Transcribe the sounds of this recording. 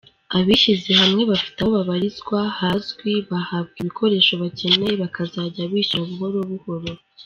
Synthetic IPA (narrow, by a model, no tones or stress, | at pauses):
aβiʃize̞hamŋe̞βafi̥taoβaβaɾizɡwahazɡwiβahabɡiβikʰo̞ɾe̞ːʃo̞βace̞neβakazaːɟaβiːʃɾaβuho̞ɾo̞βuho̞ɾo